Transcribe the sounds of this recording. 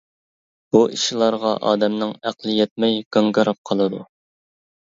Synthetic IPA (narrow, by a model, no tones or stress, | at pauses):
b̥uʔiʃilˠɑɾʁɑʔɑ̰ːd̪ɛmnɨŋæqlˠɨjɛt̪̚mɛjɡɑŋɡɨɾɑp̚qʰɑlˠɨd̪u